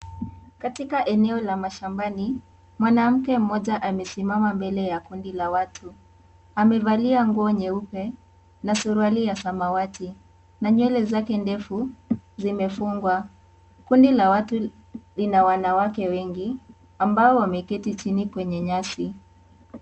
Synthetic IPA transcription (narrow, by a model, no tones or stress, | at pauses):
katikaʔɛnɛɔlamaʃambani | mwanam̩kɛm̩mɔʄaʔamɛsimamambɛlɛjakundilawatʰu | amɛvaliaŋɡuɔɲɛupɛ | nasuɾualijasamawati | naɲwɛlɛzakɛndɛfuzimɛfuŋɡwa | kundilawatu | linawanawakɛwɛŋɡi | ambaɔwamɛkɛtit͡ʃinikwɛɲɛɲasi